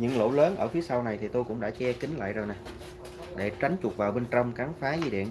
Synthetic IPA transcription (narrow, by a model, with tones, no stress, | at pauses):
ɲɨ̰˧˥ŋlo̰˧˥ləː˨˦nʔəː˧˩fi˨˦əsa˧wna˨˩jt̪ʰi˨˩t̪o˧jkʊ̰˧˥ŋ͡mɗa̰ː˧˥t͡ɕɛ˧kï˨˦ŋ̟la̰ː˧˨jzo˨˩jna˨˩j | ɗe˧˩t͡ɕa˨˦jŋ̟t͡ɕʊ˨˩t̚vaː˨˩wɓe˧nt͡ɕə˧wŋ͡mka˨˦nfaː˨˦zi˧ɗḭ˧˨ən